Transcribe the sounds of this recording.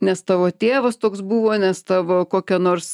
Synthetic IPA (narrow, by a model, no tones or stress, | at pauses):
nʲɛst̪ɑːʋoːt̪ʲeːʋɐst̪oːksbuːʋoːnʲɛst̪ɑːʋoːkoːkʲɛnoːrs